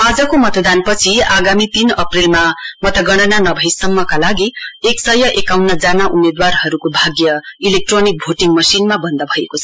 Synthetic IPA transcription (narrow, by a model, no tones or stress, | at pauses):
ad͡zʌkomʌt̪ʌd̪anpʌt͡sʰiaɡamit̪inʌprilmamʌt̪ʌɡʌɽ̃ʌnanʌbʱʌjsʌmːʌkalaɡieksʌjʌʔekawnʌd͡zanaʔumed̪warɦʌɾukobʱaɡjʌilek̚ʈronik̚bʱoʈiŋmʌsinmabʌnd̪ʌbʱʌekot͡sʰʌʌ